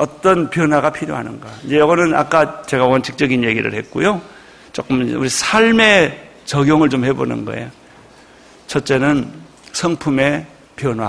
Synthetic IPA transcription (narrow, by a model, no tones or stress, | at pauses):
ʌt͈ʌnpjʌnwaɣapʰiɾjo̰ɦanɯnɡaind͡ʑe̞jʌɡʌnɯna̰k͈at͡ɕe̞ɣawʌnt͡ɕʰik̚t͡ɕ͈ʌɡinje̞ɡiɾɯ̰ɭhe̞t̚k͈ujo | t͡ɕ͈ok͈ɯmṵɾisʰaɭme̞ | t͡ɕʌɡjoŋɯɭt͡ɕomhe̞bo̰nɯ̰nɡʌ̰ḛjo | t͡ɕʰʌt̚t͡ɕ͈e̞nɯn | sʰʌŋpʰume̞ | pjʌnwa